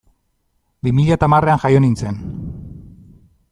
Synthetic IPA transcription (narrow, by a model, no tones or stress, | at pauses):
bimiʎat̪amare̞aŋxajo̞nint͡se̞n